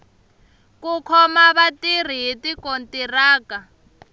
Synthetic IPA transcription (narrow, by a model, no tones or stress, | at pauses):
kukʰɔmaβatir̤iɦitikontiraːka